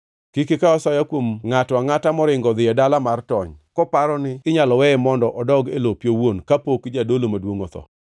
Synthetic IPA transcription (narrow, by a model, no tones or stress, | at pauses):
kikɪkaɔsajakwomŋatwaŋatamɔɾɪŋɡɔd̪ɪjɛdalamartɔɲkɔpaɾɔnɪɪɲalɔwɛɛmɔndɔʔɔdɔɡelopjowonkapokd͡ʒadolomadwoŋɔt̪ɔ̰